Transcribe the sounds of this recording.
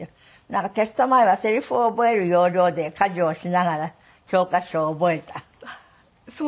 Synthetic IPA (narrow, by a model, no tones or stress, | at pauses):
nãŋkat̪esi̥t̪omaiβaseɾʲiɸoboeɾɯjoːɾʲjoːd̪ekad͡ʒoːɕinaɡaɾa | kʲoːkaɕoːboet̪a